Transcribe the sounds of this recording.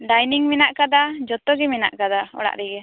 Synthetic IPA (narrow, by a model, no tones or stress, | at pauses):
ɖajniŋminaʔkad̪ad͡ʒɔt̪ɔɡɛmina̰ʔkad̪aɔ̰ɽa̰ʔɾɛɡɛ